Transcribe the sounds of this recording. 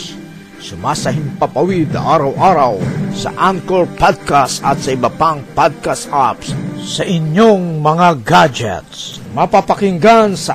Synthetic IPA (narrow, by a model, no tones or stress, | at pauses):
sʊmasɐɦɪmpapawid̪̚nɐ̰ʔaɾɐwʔaɾawsɐ̰ʔankoɹpad̪̚kast̪ɐt̪sɐɪbɐpaŋpad̪̚kast̪apssɐʔɪɲjoŋmɐŋaɡad͡ʒɛ̰t̪s | mɐpapakɪŋɡansɐ